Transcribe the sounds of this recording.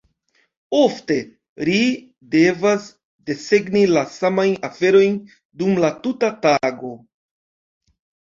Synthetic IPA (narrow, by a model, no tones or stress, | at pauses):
o̞fte̞ | ɾi | de̞vas | de̞se̞ɡnilasamajnafe̞ɾo̞jn | dumlatutataɡo̞